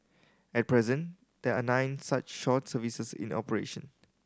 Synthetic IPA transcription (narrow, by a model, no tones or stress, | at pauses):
ɛt̚pʰɹɛzə̃n | d̥eanãɪ̃nsat͡ʃʃɔtsəvisəsḭ̃nɔ̰pəɹḛʃə̃n